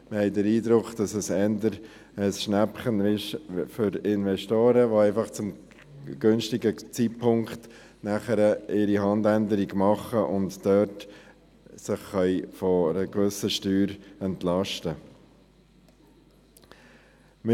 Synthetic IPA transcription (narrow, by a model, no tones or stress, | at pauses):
məhɛɪdəɾiːdɾʊkχd̥ɑsəsɛndəɾ | əsʃnæpχənɪʃfʏɾɪnʋɛʃtoːɾəʋoɛɪfɑχt͡sʊm | ɡ̥ønʃtɪɡət͡siːtpʰʊŋkt | næχəɾəʔɪɾiɦɑndændəɾiɡmɑχəʔʊntdœt | sɪχːœʏfɔɾəkvʏsəʃtyːɾɛntlɑʃtə | mɪ